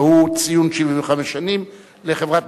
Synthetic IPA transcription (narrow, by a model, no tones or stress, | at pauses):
hut͡sijunʃiviveχameʃːanim | leχevʁat̪̚